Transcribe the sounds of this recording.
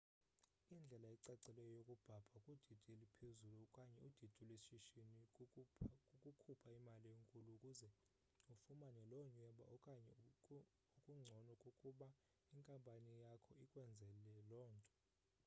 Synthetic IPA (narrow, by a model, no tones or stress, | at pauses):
ind͡ɮʱɛlaɛǀaǀɛlɛjɔjokʼub̥ʱab̥ʱakʼud̥ʱid̥ʱielipʰezulukʼaɲɛud̥ʱid̥ʱilwesʃiʃini | kʼukʰupʰaimalijeŋkʼuluːkʼuzɛ | ufumanɛlɔɲwɛɓa̰ɔkʼaɲɛ | ukʼuŋ͡ǀʱɔnɔkʼokʼuɓa | iŋkʼampʼanijakʰɔikʼwɛnd͡zʱɛlɛlɔːntʼɔ̥